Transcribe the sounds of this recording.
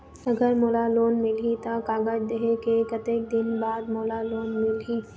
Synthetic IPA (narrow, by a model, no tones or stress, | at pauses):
ɐɡəɾmoːlaloːnmɪlɦit̪akaːɡad͡ʒd̪eɦekekət̪eːk̚d̪ɪnbaːd̪moːlaloːnmɪlɦi